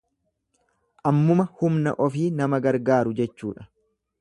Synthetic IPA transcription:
ʔɐmːʊmɐhʊmnɐ̰ʔɔfiːnɐmɐɡɐɾɡaːɾʊd͡ʒɛt͡ʃːuːᶑɐ̥

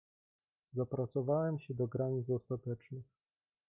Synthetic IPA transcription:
zapɾat̪sɔvawɛmɕɛd̪ɔɡɾaɲid̪sɔst̪at̪ɛt͡ʂnɘx

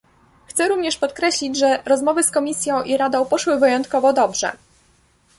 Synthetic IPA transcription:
xt̪sɛɾuvɲɛʂpɔt̪̚kɾɛɕlʲid͡ʑʐɛɾɔzmɔvɘskɔmʲisʲjɔ̃w̃ʔiɾad̪ɔ̃w̃pɔʂwɘvɘjɔnt̪kɔvɔd̪ɔbʐɛ̰

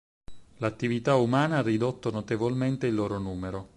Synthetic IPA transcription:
lat̪ːivit̪aumaːnaarːid̪ot̪ːonot̪evolment̪eilːoːɾonuːmeɾo

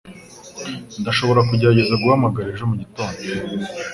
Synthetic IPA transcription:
ndaʃo̞βo̞ɾak̬uɟaaɟezaɡuhamaɡaɾiʒomuɟito̞ːɲbe

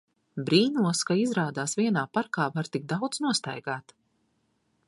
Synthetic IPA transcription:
bɾiːnuɔskaizɾaːd̪aːsvʲiɛnaːpaɾkaːvaɾt̪iɡ̚d̪awd̪znuɔst̪a̰jɡaːt̪

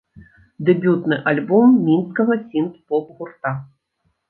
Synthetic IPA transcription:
d̪ɛbʲut̪nɨʔalʲbɔmːʲinskɐɣɐsʲink̪pɔpɣurt̪a

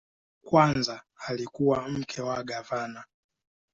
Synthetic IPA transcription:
kwanza | alikuwam̩kʰɛwaɡavana

